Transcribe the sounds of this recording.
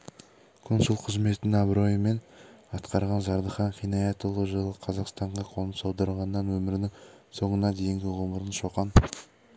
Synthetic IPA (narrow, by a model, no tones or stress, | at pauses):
kʲʰʏnsʊlˠqʰəzme̞t̪ɪnɑbɾo̞jəme̞nɑt̪qɑɾʁɑnzɑɾd̪əχɑɴqʰijnɑjɑt̪əlˠəʒəlˠəqʰɑzɑqst̪ɑɴʁɑqʰonˠəmsɑwd̪ɑɾʁɑnːɑnwɵmɪɾɪnɪŋso̞ɴənɑd̪e̞jɪŋɡʲɪʁoməɾənʃo̞qɑn